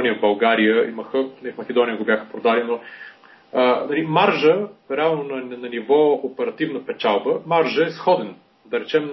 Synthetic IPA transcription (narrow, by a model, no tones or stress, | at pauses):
nijəvbɐlˠɡaɾijəiməxənɐifmɐk̟ʲɛd̪ɔnʲijəɡobʲjaxə̥pɾod̪alino | ənɐlimaɾʒəɾɛalˠnonɐnɐnivɔopɛɾɐt̪ivnəpɛt͡ʃalˠbəmaɾʒəɛsxɔd̪ɛn | d̪ɐɾɛt͡ʃɛm